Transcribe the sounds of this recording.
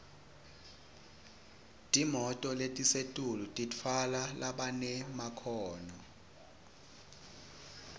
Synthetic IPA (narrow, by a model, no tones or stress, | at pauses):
tʼimɔtʼɔletʼisetʼulutʼitʰalalaɓanɛmakʰɔːnɔ